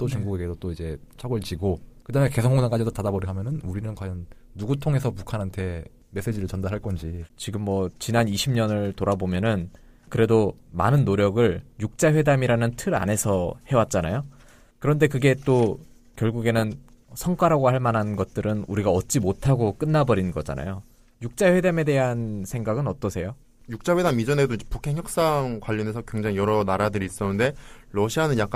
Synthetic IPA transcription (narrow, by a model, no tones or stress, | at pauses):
t͈ot͡ɕuŋɡuɡeɡesʰot͈oid͡ʑe̞t͡ɕʰʌɡɯɭt͡ɕiɡokɯdamjeke̞sʰoŋɦoŋaŋkad͡ʑidotadabʌɾiɦamjʌnɯnuɾinɯnkwajʌnː | uɡutʰoŋe̞sʰʌpukʰanɦantʰe̞ | me̞s͈e̞d͡ʑiɾɯɭt͡ɕʌndaɾɦaɭk͈ʌnd͡ʑit͡ɕiɡɯmːʌt͡ɕinaniɕʰimɲʌnɯɭtoɾabomjʌnɯn | kɯɾe̞doma̰nɯnːoɾjʌɡɯɭjuk̚t͡ɕ͈aɸwe̞damiɾanɯntʰɯɾa̰ne̞sʰʌhe̞wat̚t͡ɕ͈anajo | kɯɾʌnde̞kɯɡe̞t͈o | kjʌɭɡuɡe̞nɯn | sʰʌŋk͈waɾaɡohaɭmanɦannɡʌt̚t͈ɯɾɯnuɾiɡaʌt̚t͡ɕ͈imotʰaɡok͈ɯnːabʌɾinnɡʌd͡ʑa̰na̰jo | juk̚t͡ɕ͈aɸwe̞dame̞de̞ɦansʰe̞ŋɡaɡɯnʌt͈ʌsʰe̞jo | juk̚t͡ɕ͈aɸe̞damid͡ʑʌnedoind͡ʑepukʰe̞ŋçjʌk̚s͈aŋkwaʎːʌne̞sʰʌkwe̞ŋd͡ʑaŋijʌɾʌnaɾadɯɾiːs͈ʌnɯnde̞ɾʌɕʰianɯnjak͈a